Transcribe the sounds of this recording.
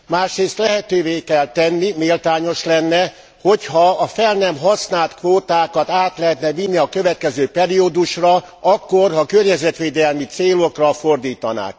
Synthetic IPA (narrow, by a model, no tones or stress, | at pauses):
maːʃreːst̪lɛɦɛt̪øːveːkɛlt̪ɛnːimeːlt̪aːɲo̞ʃlɛnːɛ | ho̞chɒːfɛlnɛmɦɒsnaːlt̪kʋoːt̪aːkɒt̪aːt̪lɛɦɛt̪nɛvinːiɒkø̞vɛt̪̚kɛzøːpɛɾiod̪uʃrɒɒkːorɦɒkørɲɛzɛt̪ʋeːd̪ɛlmit̪seːlokrɒford̪iːt̪ɒna̰ːk